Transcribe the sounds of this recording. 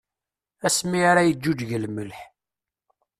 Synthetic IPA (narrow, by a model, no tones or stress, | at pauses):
æsmiaɾajəd͡ʒːud͡ʒʝəlməlħ